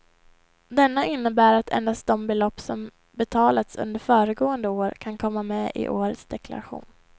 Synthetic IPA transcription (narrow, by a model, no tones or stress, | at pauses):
d̪ɛnːaɪnːəbæːɾat̪ʰɛ̰nd̪ast̪̚d̪ɔmbɛlɔpːsɔm | bɛt̪ʰɑːlat̪sɵ̰nd̪əɾfœːɾəɡoːənd̪əoːɾkʰankʰɔmːamɛːʔɪ̰ʔoːɾət̪sd̪ɛkla̰ɾaɧṵːn